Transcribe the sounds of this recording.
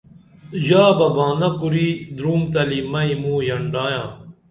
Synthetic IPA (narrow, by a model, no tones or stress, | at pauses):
jaːbɐbãːnɐkuɾiːd̪ɾuːmt̪ɐlimɐĩmũːjɐɳɖaːjãː